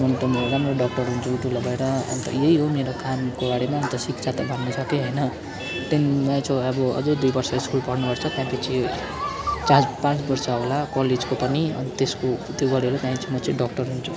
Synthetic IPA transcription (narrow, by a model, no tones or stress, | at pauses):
mʌnʈʌmeɾamoɖʌk̚ʈʌrɦunt͡sʰuuʈulabʱʌeɾʌʌ̰nt̪ʌ̰jeɦiɦomeɾokamkobaɽemaʌnt̪ʌsikt͡sʰat̪abʱʌnːʌsʌkeɦʌjnʌ | t̪enãt͡sʰʌ̃ʌbʌʌ̰d͡zʌjd̪ujbʌrsʌiskulpʌrnupʌrt͡sʰʌt̪jãpʌt͡sʰi | t͡sãt͡spãt͡sbʌrsaɦolakʌled͡zkopʌniʌ̰nt̪eskot̪joɡʌɽiɾot̪jãĩt͡sʰĩmʌt͡sʌ̃ɖʌkʈʌrɦunt͡sʰu̥